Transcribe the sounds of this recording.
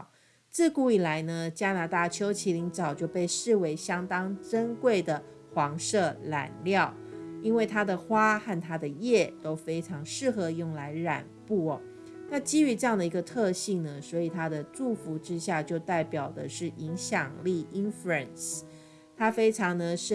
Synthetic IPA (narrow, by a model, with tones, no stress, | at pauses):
t͡sɹ̩˥˧ku˥˩i˨˩la˧˦˥ɪnə˧t͡ɕja˥na˧˥t̪a˥˩t͡ɕʰjo˥ʊt͡ɕʰi˧˥li˧˥ŋʈ͡ʂɑ˨˩ʊt͡ɕjo˥˧ʊpe˥˧ɪʂɻ̩˥˩we˧˥ɪɕjɑ˥ŋt̪ɑ˥ŋʈ͡ʂə˥ŋkwe˥˩ɪd̪ə˩ | xwɑ˧˥ŋʂɤ˥˩la̰˨˩nljɑ˥˩ʊi˥nwe˥˩ɪt̪ʰa˥d̪ə˨xwa˥xa˥˩nt̪ʰa˥d̪ə˨jɛ˥˩t̪o˥ʊfe˥ɪʈ͡ʂʰɑ˧˥ŋʂɻ̩˥˩xɤ˧˥jʊ˥˩ŋla˧˥ɪɻa̰˨˩npu˥˩ɔ˨˩ | na˥˩t͡ɕi˥y˧˥ʈ͡ʂɤ˥˧jɑ˥˩ŋd̪ə˩i˧˥ɡə˧t̪ʰɤ˥˧ɕi˥˩ŋnə˨swɔ˧˥i˨˩t̪ʰa˥d̪ə˨ʈ͡ʂu˥˩fu˧˥ʈ͡ʂɻ̩˥ɕja˥˧t͡ɕjo˥˧ʊt̪a˥˩ɪpjɑ˨˩ʊd̪ə˦ʂɻ̩˥˩ʔi˧˥ŋɕjɑ˨˩ŋli˥˩i˥nfu˧˥˩ə˨˩ns | t̪ʰa˥fe˥ɪʈ͡ʂʰɑ˧˥ŋnə˧ʂɻ̩˥˨